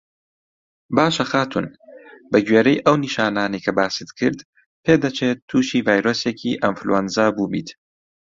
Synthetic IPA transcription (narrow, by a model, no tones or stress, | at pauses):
baːʃɐxaːt̪ʰṵnbɐɡɥeːɾejʔɐwniːʃaːnaːnɐjkʰɐbaːsɨt̪kʰɨɾd̪ | pʰeːd̪ɐt͡ʃʰet̪ʰːuːʃiːvaːjɾoːsecʰiːʔɐnflṵwɐnzaːbuːbḭːt̪